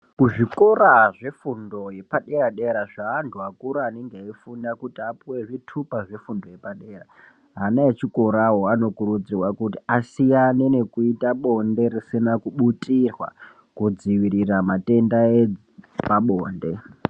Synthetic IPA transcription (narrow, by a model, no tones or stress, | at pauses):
kuʐiko̞ɾaʐe̞fundo̞je̞paɗe̞raɗe̞ɾaʐaːntʰuakuɾaːne̞ŋɡeaifunakutiapuwe̞ʐitʰupaʐe̞fundo̞je̞paɗeːra | ɦanaet͡ʃiko̞ɾaɦoano̞kurud͡zirwakutiasijanene̞kuitaɓo̞nde̞risinakuɓutʼirwa̰ | kud͡ziʋiɾiramate̞ndaed͡z | paɓoːnde̞